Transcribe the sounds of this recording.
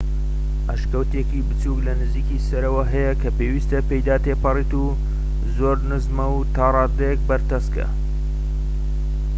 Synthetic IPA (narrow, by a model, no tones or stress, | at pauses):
ʔaʃkɐwt̪ekibɨt͡suklɐnɨziːkiːsɐɾɐwɐɦɐjɐkʰɐpeːwiːst̪ɐpejd̪aːt̪eːpɐriːt̪u | zoːɾnɨzmɐwt̪aːrˤɑːd̪ɐjek̚bɐɾt̪ɐskɐ̰